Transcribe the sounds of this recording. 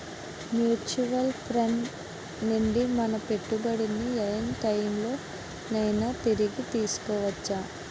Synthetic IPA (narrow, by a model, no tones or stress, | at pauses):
mjuːt͡ʃuʋɐlpʰɾeɳ | nuɳɖimɐnɐpe̞ʈːubɐɽiniɐjɐnʈɐjmlo̞ː | nɐjnɐt̪iɾiɡit̪iːsu̥kɔːʋɐt͡ʃːa